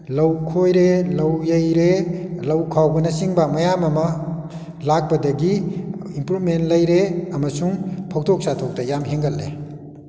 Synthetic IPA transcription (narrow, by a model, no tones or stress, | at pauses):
lɐwkʰojɾelɐwjɐjɾelɐwkʰawɡunɐsiŋbamɐjamɐmʌ | lak̚bɐdɐɡiimpɾubmentlɐjɾeɐmɐsuŋpʰɔk̚tʰok̚satʰok̚tɐjamɦeŋɡalːḛ